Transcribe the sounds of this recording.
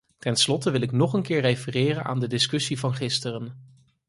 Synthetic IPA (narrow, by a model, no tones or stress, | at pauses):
tɛnslɔtəʋɪlɪknɔχənkɪːɹrejfərɪːrəna̰ːndədɪskɵsivɑnχɪstərən